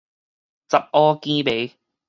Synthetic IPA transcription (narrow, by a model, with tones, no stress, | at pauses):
t͡sɐ˨p̚ʔɔː˦˥kiː˥pe˨˥j